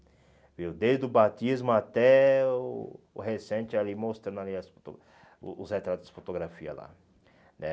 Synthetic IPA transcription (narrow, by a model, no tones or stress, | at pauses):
viwd̪ejzd̪ʊbat̪izmʊat̪ɛʊ | ʊ̰ɦesẽt͡ʃɪalimost̪ɾɐ̃nd̪aliɐsfo̥t̪o̰ | ʊshet̪ɾat̪ʊz̥d͡ʒɪ̥fot̪oɡɾafiɐ̰la̰ | nɛ